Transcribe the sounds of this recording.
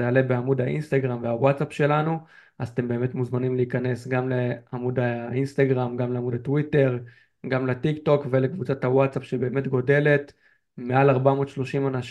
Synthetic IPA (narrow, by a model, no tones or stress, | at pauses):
ealebeamud̪aʔinst̪aɡʁamveawatsapʃe̞lanu | ʔazat̪e̞mbe̞ːme̞tmuzmanimliikane̞sɡamleamud̪ainst̪aɡʁamɡamleamudatwite̞ʁ | ɡamlet̪ikto̞kve̞lekvut͡sathawatsapʃebe̞ːme̞t̪ɡo̞de̞le̞t̪ | mealaʁbamo̞ːtʃlo̞ʃimanaʃ